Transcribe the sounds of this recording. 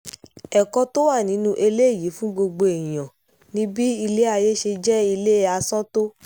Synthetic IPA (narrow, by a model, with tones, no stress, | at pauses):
ɛ˨kɔ˧to˦wa˦˨nĩ˨˦nũ˦ʔe˧le˦˨ji˨˦fũ˦ɡ͡bo˧ɡ͡bo˧e˨j̃ã˨ | nĩ˦bi˦i˧le˦a˧je˦ʃe˧d͡ʒɛ˦i˧le˦a˧sɔ̃˦to˦